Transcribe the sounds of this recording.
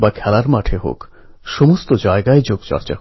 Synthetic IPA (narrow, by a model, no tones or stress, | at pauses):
bakʰɛlaɾmaʈʰeɦo̰k | ʃomost̪od͡ʑaeɡaed͡ʑoɡt͡ɕɔ̰ɾt͡ɕa̰